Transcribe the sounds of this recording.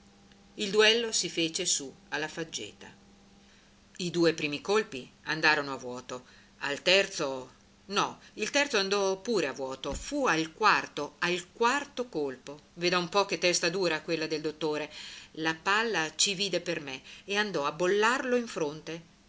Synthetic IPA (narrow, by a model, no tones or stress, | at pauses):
ild̪uɛlːosifeːt͡ʃesu | alːafad͡ʒːḛːt̪a̰ | id̪uːepɾiːmikolpiand̪aːɾonoavwɔːt̪o | a̰lt̪ɛrt̪so | nɔilt̪ɛrt̪soand̪ɔpuːɾeavwɔːt̪ofualkwart̪oalkwart̪okolpoveːd̪aumpɔk̟et̪ːɛst̪ad̪uːɾakwelːad̪eld̪ot̪ːoːɾelapalːat͡ʃiviːd̪epermeeand̪ɔabolːarloiɱfɾont̪e